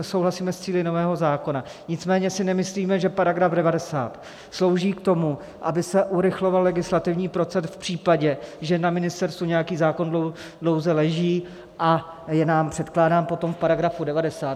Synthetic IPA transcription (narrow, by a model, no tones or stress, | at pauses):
so̞wɦlasiːmɛst͡siːlɪno̞vɛːɦo̞zaːko̞na | ɲɪt͡smɛːɲɛsɪnɛmɪsliːmɛʒɛpaɾaɡɾavdɛvadɛsaːt̪ | slo̞wʒiːkt̪o̞mu | ʔabɪsɛʔuɾɪxlo̞vallɛɡɪslat̪ɪvɲiːpɾo̞t͡sɛsfpr̝̥iːpaɟɛʒɛnamɪnɪst̪ɛɾst̪vuɲɛjakiːzaːko̞nlo | dlo̞wzɛlɛʒiː | ʔa | jɛnaːmpr̝̥ɛt̪klaːdaːmpo̞t̪o̞mfpaɾaɡɾafudɛvadɛsaːt̪